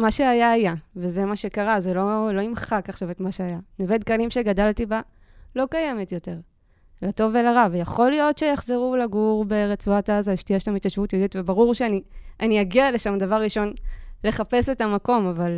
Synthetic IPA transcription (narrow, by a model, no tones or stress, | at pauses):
maʃe̞ajaːjave̞zemaʃe̞kaʁazelo̞lo̞imχakaχʃavetmaʃeajaneved̪kalimʃe̞ɡadaltiba | lo̞kaje̞me̞tjo̞te̞ʁ | lato̞velaʁavejaχo̞lijo̞tʃejaχzeʁulaɡuʁbeʁet͡suatazaʃtiaʃelamit̪jaʃvutjodit̪vebaʁuʁʃeaniʔaniaɡiale̞ʃamdavaʁːiʃo̞nle̞χape̞se̞tamako̞maval